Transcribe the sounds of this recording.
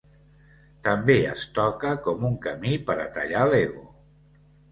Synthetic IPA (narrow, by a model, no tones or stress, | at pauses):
t̪əmbeə̰st̪ɔkəkɔmuŋkəmipəɾə̰t̪ə̰ʎaleɣo